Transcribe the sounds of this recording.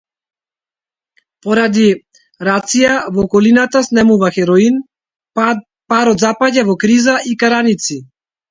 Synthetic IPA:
pɔɾad̪i | ɾat̪sijavɔːkɔlinat̪asnɛmuvaxɛɾɔin | paɾɔt̪zapaɟavɔkɾizaʔikaɾanit̪si

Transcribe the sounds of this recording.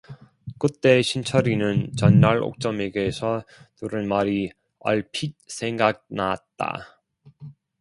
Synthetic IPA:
k͈ɯt͈e̞ɕʰint͡ɕʰʌɾinɯnt͡ɕʌnːaɾo̰k̚t͡ɕ͈ʌme̞ɡesʰʌnuɾɯnmaɾi | ʌɭpʰit̚sʰe̞ŋɡak̚naat̚t͈a̰

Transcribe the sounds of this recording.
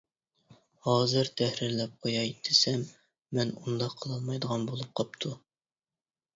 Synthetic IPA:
hɑzɨɾt̪ʰæhɾiɾlɛp̚qʰojɑit̪ʰːɪsɛmː | ɛnund̪ɑqʰɤlˠɑlˠmɑjd̪əʁɑnbolˠup̚qʰɑp̚t̪ʰu

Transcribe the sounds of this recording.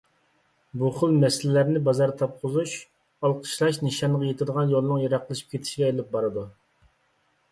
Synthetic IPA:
buχəlˠmɛsɪlɪlæɾnɪbɑzɑɾt̪ʰɑp̚qʰʊzuʃ | ɑlˠqʰə̥ʃlˠɑʃnɨʃɑnəʁɑjet̪ʰɪd̪əʁɑnjolˠnɨŋjɑɾɑqlˠɨʃi̥p̚kʲet̪ʰɪ̥ʃiɡʲɛelɪp̚bɑɾɨd̪u

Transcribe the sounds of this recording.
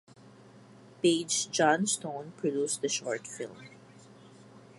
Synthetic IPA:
ped͡ʒd͡ʒɑ̃nstõʊ̃npʰɹɔduːsd̪əʃɔɹtfɪ̰lˠm

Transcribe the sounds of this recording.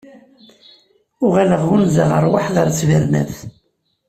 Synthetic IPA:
ʊʁæləʁunzəʁəɾˤwaħðəɾt͡sːvəɾnæ̰θ

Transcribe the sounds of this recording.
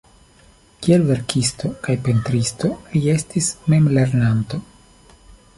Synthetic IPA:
kie̞lve̞ɾkʰisto̞kajpe̞ntɾisto̞lie̞stisme̞mle̞ɾnanto̞

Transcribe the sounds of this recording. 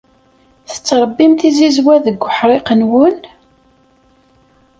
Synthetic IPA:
θə̥t͡sːɾˤəbːimθizizwæðəɡʷːəħɾˤɪqənwən

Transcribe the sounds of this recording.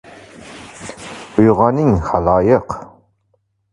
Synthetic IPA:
ʊjʁɑnɪŋχalɑːjʌq

